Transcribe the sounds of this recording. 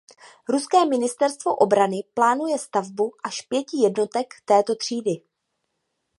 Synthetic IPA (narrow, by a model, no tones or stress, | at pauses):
ɾuskɛːmɪnɪst̪ɛɾst̪vo̞ʔo̞bɾanɪplaːnujɛst̪avbuʔaʃpjɛcɪjɛdno̞t̪ɛkt̪ɛːt̪o̞t̪r̝̥iːdɪ